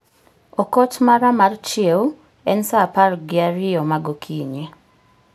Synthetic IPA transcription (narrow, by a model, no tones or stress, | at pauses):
ɔkɔtmaɾamaɾt͡ʃiew | ɛnsapaɾɡɪaɾiɔmaɡokʰiːɲe